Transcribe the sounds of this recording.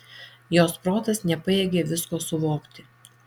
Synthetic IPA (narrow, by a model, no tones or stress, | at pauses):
joːspɾoːt̪ɐsnʲɛpɐeːɡʲeːʋʲɪskoːsʊʋoːkt̪ʲɪ